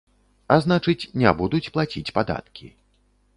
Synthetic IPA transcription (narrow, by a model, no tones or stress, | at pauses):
aznat͡ʂɨt͡sʲnʲabud̪ut͡sʲplˠat͡sʲit͡sʲpad̪a̰t̪̚kʲi